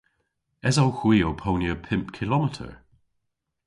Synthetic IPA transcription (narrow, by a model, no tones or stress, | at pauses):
ɛzawxwiːopʰownjəpʰɪ̃mp̚kʰɪlɔmɪtʰə̰ɹ